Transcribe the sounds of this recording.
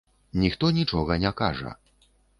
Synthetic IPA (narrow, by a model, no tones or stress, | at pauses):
nʲixt̪ɔnʲit͡ʂɔɣɐnʲɛkaʐɐ̰